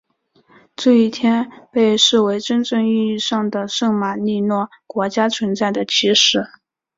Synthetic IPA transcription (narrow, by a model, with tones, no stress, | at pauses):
t͡se˥˧i˥˩t̪ʰjɛ˥npe˥˧ɪʂɻ̩˥˩we˧˥ɪʈ͡ʂə˥nʈ͡ʂɤ˥˧ŋi˥˧i˥˧ʂɑ˥˩ŋd̪ə˩ʂɤ˥˩ŋma˨˩ni˥˧nwɔ˥˩ | kwɔ˧˥t͡ɕja˥t͡sʰwə˧˥nt͡sa˥˩ɪd̪ə˩t͡ɕʰi˧˥ʂɻ̩˥˩